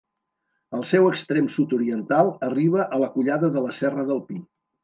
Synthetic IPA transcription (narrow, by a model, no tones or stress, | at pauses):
əlˠsɛwəkst̪ɾemsut̪uɾiənt̪alˠəriβ̞əʔələkuʎaðəðələsɛrəðəlˠpi